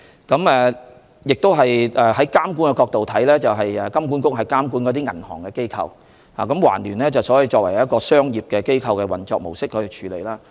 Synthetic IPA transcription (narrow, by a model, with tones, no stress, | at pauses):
kɐ˨˥mɛː˨˧ | jɪ˨k̚t̪o˥wɦɐ˨jʔɛː˨hɐ˨˥jkaː˥mku˥nŋkɛ˧kɔː˧k̚t̪o˨wt̪ʰɐ˨˥jlɛː˥t͡sɐ˨wɦɐ˨jɛː˨kɐ˥mkuː˨˥nkʊ˥k̚ɦɐ˨jkaː˥mkuː˨˥nkɔ˨˧t̪̬iː˥ŋɐ̰˨˩nhɔː˨˩ŋkɛ˧ke˥jkʰɐ̰˧w | haː˨kɐ˨˧˥mwa̰ː˨˩nlyː˨˩nlɛː˥t͡sɐ˨˩wsɔ˨˥ji˨˧t͡sɔː˧k̚wɐ˨˩jjɐ˥t̚kɔː˧sœː˥ŋjiː˨˩p̚kɛː˧ke˥jkʰɐ˧wkɛ˧wɐ̰˨˩nt͡sɔː˧k̚mo˨˩wsɪ˥kʰːɵ˧˨t͡ʃʰyː˨˧le˨jlaː˥